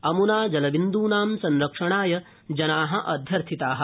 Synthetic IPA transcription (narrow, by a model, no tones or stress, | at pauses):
ɐmunaːd͡ʒɐlɐʋind̪uːnaːmsɐnɾɐkʂɐɳaːjɐ | d͡ʒɐnaːɦɐ̆ʔɐd̪ʱjɐɾt̪ʰit̪aːɦɐ̆